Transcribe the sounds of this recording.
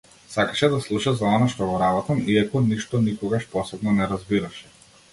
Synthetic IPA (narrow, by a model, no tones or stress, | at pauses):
sakaʃɛd̪aslˠuʃazaɔnaʃt̪ɔɡɔɾabɔt̪amiakɔniʃt̪ɔnikɔɡaʃpɔsɛbnɔnɛɾazbiɾaʃɛ̥